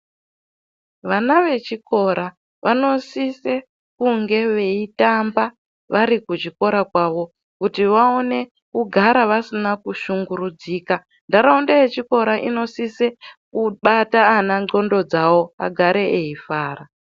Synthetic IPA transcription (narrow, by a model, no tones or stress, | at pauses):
ʋanaʋe̞t͡ʃiko̞ɾʔa | ʋano̞sise̞ | kuŋɡe̞ʋe̞itamba | ʋaɾikut͡ʃiko̞ɾakwaʋo̞ | kutiʋao̞ne̞ | kuɡʱaɾaʋasinakuʃuŋɡuɾud͡ziːka | ndaɾaundajet͡ʃiko̞ɾaʔḭno̞sisekuɓataːnaŋ͡ǃo̞ndo̞d͡zawo̞a̰ɡʱaɾe̞eifaːra